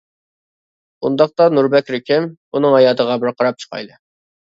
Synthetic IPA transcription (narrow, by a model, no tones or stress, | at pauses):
ṵnd̪ɑq̚t̪ɑnuɾbɛkʲɾɪkʲʰɪmunɨŋhɑjɑːt̪ʰəʁɑbɪɾqʰɑɾɑp̚t͡ʃʰə̥qʰɑ̰jlɨ